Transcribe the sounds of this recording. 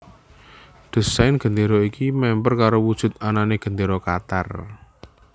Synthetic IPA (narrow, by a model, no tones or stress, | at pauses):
d̪̥ə̤saɪnɡ̥ə̤nd̪eɾɔikimɛmpərkaɾowud̥ʒ̥ʊ̤t̪̚ananeɡ̥ə̤nd̪eɾɔkat̪a̰r